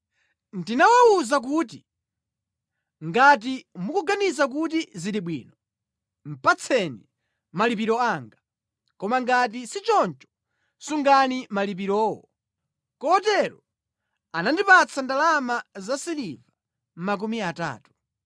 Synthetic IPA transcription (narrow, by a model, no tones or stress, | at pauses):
ndinawawuzak̬uːt̬i | ŋɡat̬imukuɡanizak̬ut̬iziɾiɓwḭːnɔ | m̩pat͡sʰɛni | malipiɾɔaːŋɡa | kɔmaŋɡat̬isit͡ʃɔnt͡ʃɔ̥ | suŋɡanimalip̬iɾɔːwɔ | kɔtɛɾɔ | anandipat͡sʰandalamazasiliva | m̩mak̬umiata̰ːtu̥